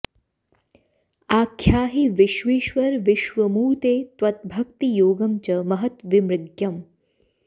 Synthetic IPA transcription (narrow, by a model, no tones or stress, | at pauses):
aːkʰːjaːɦiʋɪʃʋiːʃʋɐɾʋɪʃʋɐmuːt̪eːt̪ʋɐt̪̚bʱɐkt̪ijoːɡɐmt͡ʃɐmɐɦɐt̪ʋimɾɪɡjɐm